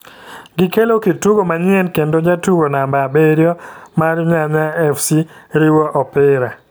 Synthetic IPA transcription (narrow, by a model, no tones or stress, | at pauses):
ɡɪkelokituɡomaɲɪɛnkendod͡ʒatuɡonambabeɾjɔmarɲaɲaɛfsiɾiwɔʔɔpɪɾa